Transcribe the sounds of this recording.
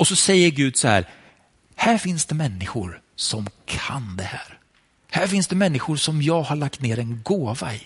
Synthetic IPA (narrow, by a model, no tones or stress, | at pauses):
ɔsɔsɛjːəɾɡʉ̟ːd̪sɔhæ̰ːɾ | hæːɾfɪnsd̪̥ɛmɛnːɪɧʊɾ | sɔmkʰand̪ɛhæːɾ | hæːɾfɪnsd̪ɛmɛnːɪɧʊɾsɔmjɑːɡhaɭak̚t̪neːɾɛnɡoːvaɪ